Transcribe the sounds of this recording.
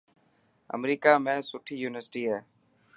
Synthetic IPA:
ə̰mɾiːkaːmẽːsʊʈʰːiːjuːnɪʋəɾsɪʈiːɦeː

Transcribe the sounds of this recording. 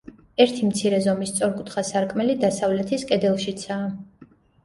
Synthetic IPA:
ɛɾt̪ʰimt̪sʰiɾɛzɔmist̪sʼɔɾkʼut̪ʰχasaɾkʼmɛlid̪asavlɛt̪ʰiskʼɛd̪ɛlˠʃit̪sʰaː

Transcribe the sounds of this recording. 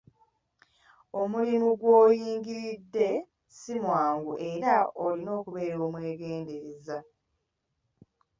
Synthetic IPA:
o̞mulimuɡwoːjiːŋɡiɾidːe̞ | simwaːŋɡuʔe̞ɾaolino̞ːkuβe̞ːɾo̞ːmwe̞ːɡe̞ːnde̞ɾeza

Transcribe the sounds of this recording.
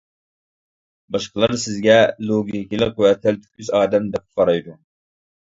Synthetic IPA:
bɑʃqəlˠɨɾsɪzɡʲɛlˠoɡʲikʲilˠɪq̚qːuwɛt̪ʰɪlt̪ʰy̥kʲʰyzɑːd̪ɛmd̪ɛp̚ʰqʰɑɾɑjd̪u

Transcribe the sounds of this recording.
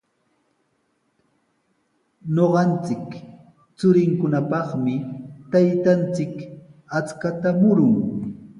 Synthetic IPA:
noɢɑnt͡sɪk | t͡sʊɾɪŋkʊnapɑχmɪt̪ajt̪ant͡sɪkat͡skat̪amʊɾʊŋ

